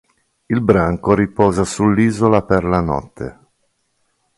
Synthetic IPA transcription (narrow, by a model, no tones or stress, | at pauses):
ilbɾaŋkoɾipɔːzasulːiːzolaperlanɔ̰t̪ʰːḛ